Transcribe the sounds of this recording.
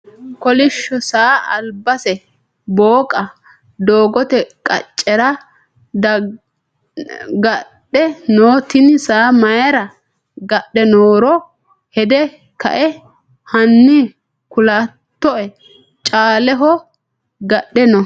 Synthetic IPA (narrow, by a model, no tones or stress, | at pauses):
kɔlɪʃːɔsaːʔɐ̰lbɐsɛ | boːkʼɐ | d̪oːɡɔt̪ɛkʼɐ̰t͡ʃʼːɛɾɐ | d | ɡɐɗːɛnoːt̪ɪnsaːmɐjɐɾɐ | ɡɐɗːɛnoːɾɔ | hɛd̪ɛ | kɐ̰ʔɛ | hɐnːɪ | kʊlaːt̪ːɔʔɛ | t͡ʃʼaːlɛɦɔ | ɡɐɗːɛnɔ